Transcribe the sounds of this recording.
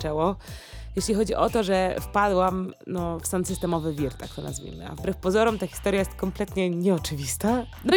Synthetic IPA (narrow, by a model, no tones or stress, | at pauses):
t͡ʂɛwɔjeɕlʲixɔd͡ʑiʔɔt̪ɔʐɛfpad̪wamnɔfsant̪sɨst̪ɛmɔvɘvʲiɾt̪a̰kt̪ɔna̰zvʲḭmɘ̰a̰vbɾɛfpɔzɔɾɔmt̪axʲist̪ɔɾjajɛst̪kɔmplɛt̪ɲɛɲɛɔt͡ʂɘvʲist̪a | d̪ɔ